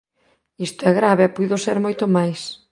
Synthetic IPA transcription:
ist̪oɛɣɾaβeɛpuðʊseɾmojt̪ʊmajs

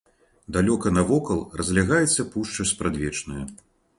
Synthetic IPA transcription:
d̪alʲɔkɐnɐvɔkɐlˠrʔɐzʲlʲaɣajɛt̪sːɐpuʂt͡ʂɐspɾad̪ʲvʲɛt͡ʂnɐju

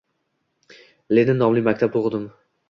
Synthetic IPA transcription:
lenɪnːɒmlɪmak̚ʲt̪ʰap̚t̪ʰoʁd̪ɪm

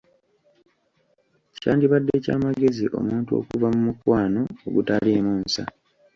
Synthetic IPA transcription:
caːndiβadːe̞ca̰ːmaɡe̞ziʔo̞̰muːntuo̞̰ːkuvamumukwaːno̞oɡutalemuːnsa̰

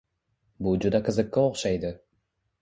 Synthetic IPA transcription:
bud͡ʒud̪akɯzɨkːaoqʃɑjd̪ɯ

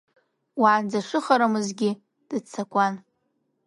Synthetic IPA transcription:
waʕand͡zaʂʷɨχaɾamɨzɡʲɪ | d̥ɨt͡sʰakʷʼan

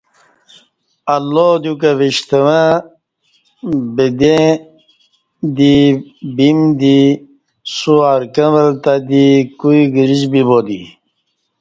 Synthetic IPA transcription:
alːod̪jukaʋiɕt̪əwã | bed̪ẽ | d̪ibimd̪i | suaɾkə̃ʋəlt̪ad̪ikuiɡiɾid͡ʑbibod̪i

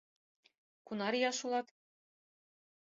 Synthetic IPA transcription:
kunɑɾijɑʃulˠɑt̪

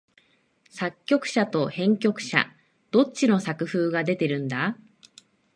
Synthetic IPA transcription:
sakʲːo̞kɯ̟̥ɕat̪o̞hẽ̞ŋkʲo̞kɯ̟̥ɕa̰ | d̪̥o̞t͡ɕːino̞sakɯ̟ɸɯːɡad̪e̞t̪e̞ɾɯ̟̃nd̪a

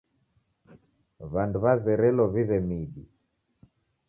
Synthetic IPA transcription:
βanduβazɛɾɛlɔβiβɛmiɗḭ

